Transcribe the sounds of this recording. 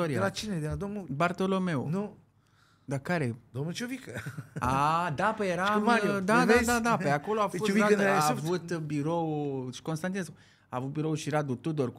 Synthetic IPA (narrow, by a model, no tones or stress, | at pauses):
oɾiaelat͡ʃined̪ead̪omnubart̪olo̞me̞unu | d̪akaɾed̪omnut͡ʃovikəad̪apəjeɾamad̪ad̪ad̪ad̪apəjako̞loafot͡ʃoiaavut̪biɾo̞wʃi̥ko̞nst̪ant̪inesku | aːvut̪̚biɾowʃiɾad̪ut̪ud̪ork